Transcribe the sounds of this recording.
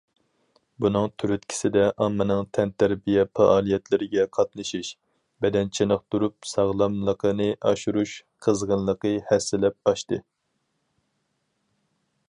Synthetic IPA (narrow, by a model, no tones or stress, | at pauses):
bunɨŋt̪ʰyɾyt̪̚kʲʰi̥sɪd̪ɛʔɑmːɨnɨŋt̪ʰɛnt̪ʰæɾbijɛfɑʔɑːlˠijɛt̪lɪɾɪɡʲɛqʰɑt̪̚nɨʃiʃ | bɛd̪ɛnt͡ʃʰenəχt̪uɾup̚sɑʁlˠɑmlˠəqʰənɨʔɑʃuɾuʃqʰəzʁənlˠəqəhɛsːɪlɛp̚ɑʃt̪ɨ